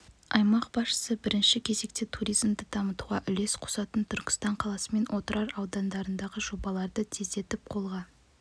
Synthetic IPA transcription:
ɑjmɑqbɑsʃə̥səbɪɾɪnʃɪkʲʰe̞ze̞k̚t̪et̪ʰuɾijzmd̪əd̪ɑmət̪uʁɑʔʏle̞sqʰʊ̥sɑt̪ənt̪ʰʏɾkʲɪ̥st̪ɑɴqʰɑlˠɑsəme̞nwʔo̞t̪əɾɑɾɑwd̪ɑnd̪ɑɾənd̪ɑʁəʒo̞bɑlˠɑɾd̪ət̪ʰeze̞t̪ɪp̚qʰo̞lˠʁɑ

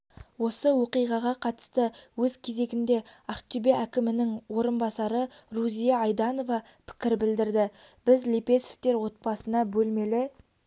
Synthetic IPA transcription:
wo̞səwo̞qijʁɑʁɑqʰɑt̪ə̥st̪əwɵzkʲʰe̞ze̞ɡʲɪnd̪e̞ɑqt͡ʃibeʔækʲɪmɪnɪŋwo̞ɾənbɑsɑɾəruzijɑɑjd̪ɑno̞vɑ | pʰɪ̥kʲɪɾbɪld̪ɪɾd̪ɪb̥ɪzlipe̞se̥ft̪e̞ɾwo̞t̪̚bɑsənɑbɵlme̞lɪ

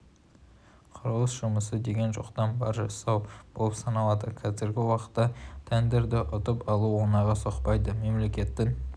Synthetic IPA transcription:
qʰʊɾəlˠəsʒ̥ʊməsəd̪e̞ɡʲe̞nʒoqt̪ɑnbɑɾʒɑsːɑwb̥olˠəpsɑnɑlˠɑd̪əkʲʰæzɪɾɡʲɪwɑqə̥t̪ːɑt̪ʰænd̪eɾd̪ɪʔʊt̪əpɑlˠuwonɑʁɑsoqpɑjd̪əme̞mle̞kʲe̞t̪ːɪŋ

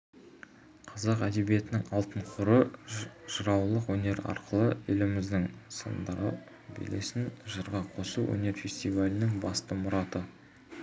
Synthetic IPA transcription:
qʰɑzɑqæd̪e̞bije̞t̪ɪnɪŋɑlˠt̪əɴqʰʊɾəʒ̥əɾɑwlˠəqwɵne̞ɾɑ̰ɾqʰəlˠəɪlɪmɪzd̪ɪŋsə̰nd̪ɾə | bḛlḛsɪnʒəɾʁɑqʰo̞suwʔɵ̰ne̞ɾfe̞sʲt̪ivalʲɪnɪŋbɑst̪əmʊɾɑt̪ə

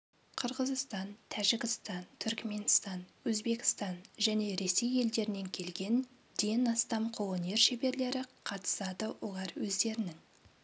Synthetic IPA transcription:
qʰəɾʁəzəst̪ɑnt̪ʰæʒɪɡʲɪst̪ɑnt̪ʰʏɾkme̞nst̪ɑnwɵzbe̞kʲɪ̥st̪ɑnʒæne̞ɾe̞se̞je̞ld̪e̞ɾɪne̞ŋkʲʰe̞lɡʲe̞n | d̪ejnɑst̪ɑmqʰolˠone̞ɾʃebe̞ɾle̞ɾɪqʰɑt̪ə̥sɑd̪əwolˠɑɾwɵzd̪e̞ɾɪnɪŋ

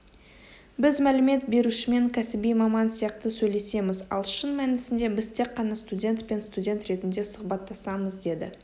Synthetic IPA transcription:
bɪzmælɪme̞t̪be̞ɾuʃɪme̞ŋkʲʰæsɪbijmɑmɑnsijɑqt̪əsɵjle̞se̞mɪzɑ̰lˠʃənmænɪsɪnd̪e̞bɪzt̪ʰe̞qːɑnɑst̪udʲe̞nt̪pe̞nst̪udʲe̞nt̪ɾe̞t̪ɪnd̪e̞sʊχbɑt̪ːɑsɑməzd̪e̞d̪ɪ̰

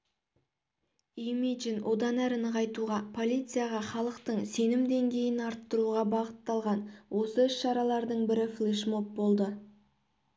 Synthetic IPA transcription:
imid͡ʒinwʔo̞d̪ɑnæɾɪnəqɑjt̪uʁɑpʰo̞lʲit̪sɨjaʁɑχɑlˠəqt̪əɴse̞nɪmd̪e̞ŋɡʲe̞jɪnɑɾt̪ːəɾuʁɑbɑʁət̪ːɑlˠʁɑnwʔo̞səʏsʃɑɾɑlˠɑɾd̪əɴbɪɾɪflˠiʃmo̞p̚bo̞lˠd̪ə

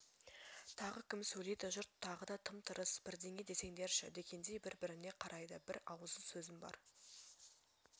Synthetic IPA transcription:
t̪ʰɑʁəkʲʰɪmsɵjlejd̪ɪʒʊɾt̪ʰːɑʁəd̪ɑt̪ʰəmt̪ʰəɾəsb̥ɪɾd̪e̞ŋʲe̞d̪e̞se̞ŋd̪eɾʃɪd̪e̞kʲe̞nd̪e̞jbɪɾbɪɾɪne̞qʰɑɾɑjd̪əbɪɾɑwəzənsɵzɪmbɑ̰ɾ

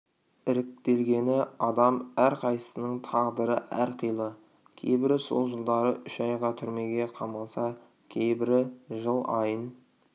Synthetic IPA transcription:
ɪɾɪk̚t̪e̞lɡʲe̞nɪɑd̪ɑmæɾqʰɑjsə̥sənəɴt̪ʰɑʁd̪əɾəæ̰ɾqʰijlˠə | kʲʰe̞̰jbɪɾɪso̞̰lˠʒəlˠd̪ɑɾəʔʏʃɑjʁɑt̪ʰʏɾme̞ɡʲe̞qʰɑmɑlˠsɑ | kʲʰejbɪɾɪʒəlˠɑjən

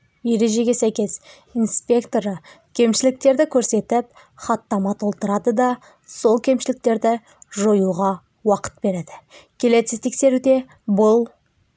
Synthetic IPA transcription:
je̞ɾe̞ʒe̞ɡʲe̞sæjkʲe̞s | ijnspʲe̞kt̪o̞ɾə | kʲʰe̞mʃɪlɪk̚t̪e̞ɾd̪ɪkʲʰɵɾse̞t̪ɪp̚ | χɑt̪ːɑmɑt̪ʰo̞lˠt̪əɾɑd̪əd̪ɑ | so̞lˠkʲʰe̞mʃɪlɪk̚t̪e̞ɾd̪ɪ | ʒo̞juʁɑ | wɑqə̥t̪̚be̞ɾe̞d̪ɪkʲʰe̞le̞ɪt̪ʰekse̞ɾud̪e̞ | bʊlˠ

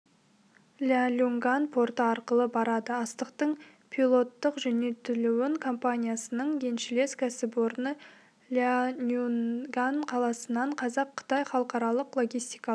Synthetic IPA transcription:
lʲalʲuŋɡanpʰo̞ɾt̪əɑɾqəlˠəbɑɾɑd̪əɑst̪əqt̪əɴ | pʲʰilˠo̞t̪ːəqʒʏne̞t̪ɪluwɪŋkʰo̞mpanʲijasənəɴɡʲʰe̞nʃɪle̞skʲʰæsɪpwo̞ɾnə | lʲanʲuɡanqʰɑlˠɑsənːɑɴqʰɑzɑqʰːə̥t̪ɑjχɑlˠəqɑɾɑlˠəqlˠo̞ɡʲijst̪ijkɑ

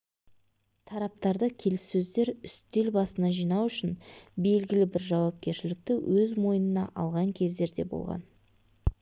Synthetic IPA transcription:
t̪ʰɑɾɑp̚t̪ɑɾd̪əkʲʰe̞lɪsːɵzd̪e̞ɾʏst̪e̞lbɑsənɑʒijnɑwʏʃɪnbe̞lɡʲɪlɪbɪɾʒɑwɑp̚kʲe̞ɾʃɪlɪk̚t̪ɪwɵzmo̞jənənɑ̰ʔɑlˠʁɑŋkʲʰe̞zd̪e̞ɾd̪e̞bo̰lˠʁɑ̰n

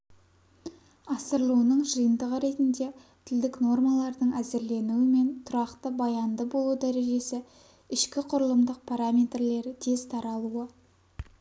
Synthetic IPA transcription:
ɑsəɾlˠuənəɴʒəjənd̪əʁəɾe̞t̪ɪnd̪e̞t̪ʰɪld̪ɪkno̞rmalˠɑɾd̪əɴæze̞ɾle̞nuwɪme̞nt̪ʰʊɾɑqt̪əbɑjɑnd̪əbo̞lˠud̪æɾe̞ʒe̞sɪ | ɪʃkʲɪqʰʊɾəlˠəmd̪əq̚pʰaɾamʲe̞t̪rle̞ɾɪt̪ʰe̞z̥t̪ʰɑɾɑlˠuə

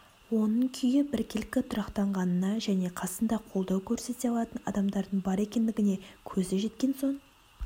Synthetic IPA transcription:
wo̞nəɴkʲʰʏjɪbɪɾkʲɪlɪkʲːɪt̪ʰʊɾɑqt̪ɑɴʁɑnənɑʒæne̞qʰɑsənd̪ɑqʰo̞lˠd̪ɑwkʲʰɵɾse̞t̪eɑlˠɑt̪ənɑ̰d̪ɑmd̪ɑɾd̪əɴbɑɾe̞kʲe̞nd̪ɪɡʲɪne̞kʲʰɵzɪʒe̞t̪kʲe̞nso̞ɴ

